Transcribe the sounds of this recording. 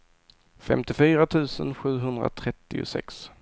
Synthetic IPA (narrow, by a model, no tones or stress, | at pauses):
fɛ̰mt̪ɪfyːɾat̪ʰʉ̟ːsənɧʉ̟ːɦɵnd̪ɾa̰t̪ʰɾɛt̪ːɪʊ̰sɛ̰ks